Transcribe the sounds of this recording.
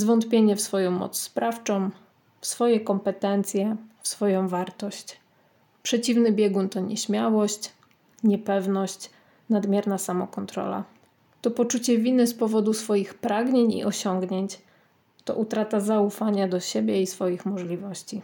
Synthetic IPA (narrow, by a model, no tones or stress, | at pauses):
zvɔnt̪pʲjeɲɛfsfɔjɔ̃w̃mɔ̰t̪sspɾaft͡ʂɔ̃w̃ | fsfɔjɛkɔmpɛt̪ɛnt̪sʲjɛfsfɔjɔ̃w̃vaɾt̪ɔɕt͡ɕ | pʂɛt͡ɕivnɘbʲjɛɡunt̪ɔɲɛ̰ɕmʲjawɔɕt͡ɕ | ɲɛpɛvnɔɕt͡ɕ | nad̪mʲjɛɾnasamɔkɔnt̪ɾɔ̰la̰ | t̪ɔpɔt͡ʂut͡ɕɛvʲinɘspɔvɔd̪usfɔjixpɾaɡɲeɲḭʔɔɕɔŋɡɲeɲt͡ɕ | t̪ɔ̰ʔut̪ɾat̪azaufaɲad̪ɔɕebʲjɛisfɔjixmɔʐlʲivɔɕt͡ɕi